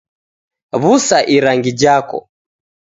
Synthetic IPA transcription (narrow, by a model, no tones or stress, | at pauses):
βusaʔiɾaŋɡid͡ʒakɔ̰